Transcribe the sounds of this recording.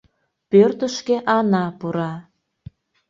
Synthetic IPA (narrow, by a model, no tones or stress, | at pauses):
pørt̪əʃkeʔɑnɑpuɾɑ